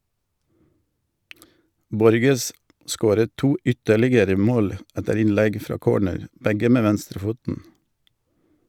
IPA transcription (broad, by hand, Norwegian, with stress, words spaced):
ˈbɔɾɡəs ˈskoːɾət ˈtuː ˈʔʏtəlɪɡəɾə ˈmoːl ˈætəɾ ˈɪnˌlæɡ ˈfɾɑː ˈkoːɳəɾ ˈbæɡə ˈmeː ˈʋænstɾəˌfuːtn̩